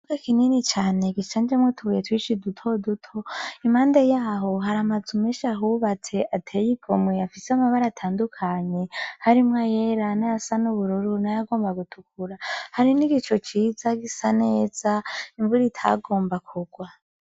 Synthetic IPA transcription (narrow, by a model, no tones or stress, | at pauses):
uɡakininit͡ʃaːne̞ɡiʃaːnd͡ʒemŋetʰuwietwiːʃidutʰo̞dutʰo̞imaːndejaːɦo̞ɦaɾamazumeʃaɦuːβat͡se̞ʔatʰe̞jiɡ̥o̞mweafiseamaβaɾaːtʰaːndukʰaɲe̞haɾimŋajeɾanaasanuβuɾuɾunajaɡo̞ːmbaɡutʰukuɾahaɾiniɡit͡ʃo̞t͡ʃiːzaɡisane̞ːz̥aiɱvuɾitʰa̰ɡo̞ːmbakʰuɡ̥wa